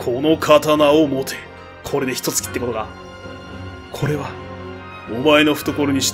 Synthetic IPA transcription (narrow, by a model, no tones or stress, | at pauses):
kʰo̞no̞kʰat̪anaomot̪ʰe̞̥ | kʰo̞ɾe̞d̪e̞çi̥t̪o̞t͡sɨ̥kʲi̥t̪ːekot̪oɡa | kʰo̞ɾe̞βa | omaeno̞ɸɯ̟̥t̪oko̞ɾoɲ̟iɕi̥